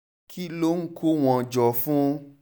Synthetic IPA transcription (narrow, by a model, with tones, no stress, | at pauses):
kʰi˦lo˦ŋ̩˦kʰo˦w̃ɔ̃˧˨d͡ʒɔ˨fũ˦˧